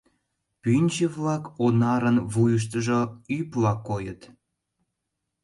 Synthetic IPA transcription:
pynʲt͡ɕeβlɑkonɑɾənβujəʃ̬t̪əʒoyplɑkːojət̪

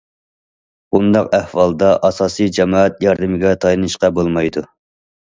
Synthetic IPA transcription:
bund̪ɑqæhwɑlˠd̪ɑʔɑsɑːsijd͡ʒɛmɑːɛt̪jɑɾd̪ɨmɪɡʲɛt̪ʰɑjlɨnɨʃqɑbolˠmɑjd̪u

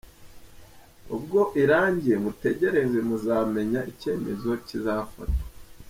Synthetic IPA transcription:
ub̚ɡo̞ʔiɾaːɲɟijemute̞ɟe̞ɾe̞zemuzaːme̞ɲaʔice̞ːme̞zo̞cizafa̰tḁ

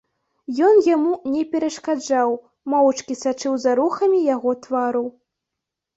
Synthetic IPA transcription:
jɔnjamunʲɛpʲɛɾɐʂkad͡ʐaw | mɔwt͡ʂkʲisat͡ʂɨwzaɾuxɐmʲijaɣɔt̪vaɾu

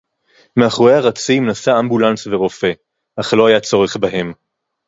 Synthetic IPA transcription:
meaχʁoeaʁat͡simnasaːmbulansveʁo̞fe̞ | ʔaχlo̞ajat͡so̞ʁeχbaɦe̞m

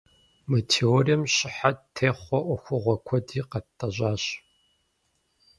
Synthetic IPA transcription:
mɐtʰeoriɐmɕɪħatʰːeːχʷɔʔʷɔxʷʊʁʷɔkʷʰɔdiːqɐtʰʼːɐʑaːɕ

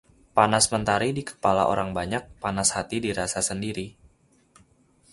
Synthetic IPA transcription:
panasmənt̪aɾidikə̥pala̰ʔo̰ɾaŋbaɲak̚panashat̪idiɾasasəndiɾi

